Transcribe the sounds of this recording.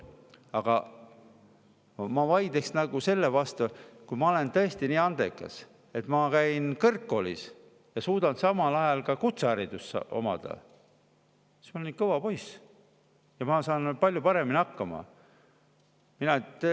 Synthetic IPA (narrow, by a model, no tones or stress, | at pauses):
ɑɡ̥ɑ | mɑvɑjd̪̥eksnɑɡ̥use̞lːevɑst̪ukujmɑo̞le̞nt̪ɤ̞e̞st̪iniːɑnd̪̥e̞̰kːˑɑ̰s | e̞t̪mɑkæjnkɤrkːo̞lḭs | jɑsuːd̪ɑnsɑmɑlɑjɑlkɑkut̪seæɾid̪̥usɑ̰o̞̰mɑ̰d̪̥ɑ̰ | i̥smɑolʲinkɤvɑpo̞js | jɑmɑsɑːnpɑlʲjupɑɾe̞miniɑkːɑmɑ̰ | minɑt̪ː